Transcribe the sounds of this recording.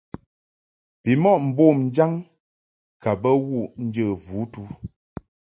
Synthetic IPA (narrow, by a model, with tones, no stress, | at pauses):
pi˨mɔ˦˨ʔm̩˨bo˦˨mn̩˦d͡ʒa˦ŋ | ka˨bə˦wu˦˨ʔn̩˦d͡ʒə˦˨vu˨˦tu˦